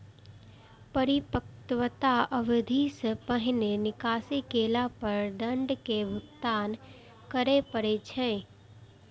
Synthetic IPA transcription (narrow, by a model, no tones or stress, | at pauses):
pəɾɪpəkt̪wət̪aəʋɪd̪ʱispəɦɪnenɪkaːsikeːlapəɾd̪ə̃ɳɖkebʱʊt̪ːaːn | kəɾepəɾet͡ʃʰɛ̃ː